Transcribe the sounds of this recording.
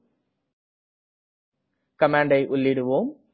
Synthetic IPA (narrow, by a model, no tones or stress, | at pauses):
kɐmaːɳɖɐɪʔʊlːɪɽɯʋoːm